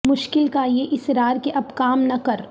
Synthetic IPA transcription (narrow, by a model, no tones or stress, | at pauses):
mʊʃkɪlkajeʔɪsɾaːɾkeʔɐbkaːmnɐkɐɾ